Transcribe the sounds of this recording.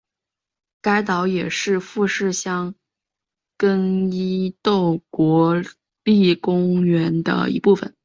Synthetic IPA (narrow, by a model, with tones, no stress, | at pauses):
ka˥ɪt̪ɑ˧˥ʊjɛ˨˩ʂɻ̩˥˧fu˥˧ʂɻ̩˥˧ɕjɑ˥ŋ | kə˥ni˥t̪o˥˩ʊkwɔ˧˥ | li˥˩kʊ˥ŋɥɛ˧˥nd̪ə̰˧ḭ˧˥pu˥˩fə̰˨˩˦n